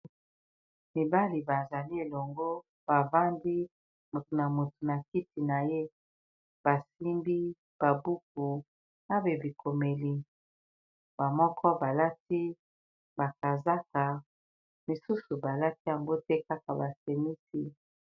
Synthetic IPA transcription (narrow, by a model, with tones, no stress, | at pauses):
mi˨ba˦li˨ba˨nza˨li˦e˨lɔ˨ŋɡo˦ | b̥a˨va˦ndi˦ | mo˨tu˨na˨mo˨tu˨na˨ki˦ti˨na˨je˦ | b̥a˨si˦mbi˦ | b̥a˨bu˦k̚u˨ | na˦be˨bi˨kʰo˨me˨li˨ | ba˨mɔ˦kʰɔ˦ba˨la˦ti˦ | ba˨ka˨za˦ka˨ | mi˨su˦su˨ba˨la˦ti˦ja˨ŋɡo˦tɛ˦ka˦ka˨ba˨se˨mi˦si˦